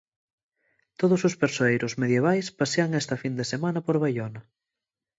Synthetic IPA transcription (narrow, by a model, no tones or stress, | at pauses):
t̪oðʊsʊspeɾsoejɾʊsmeðjeβajspaseaŋɛst̪ɐfind̪esemanɐpoɾβajonɐ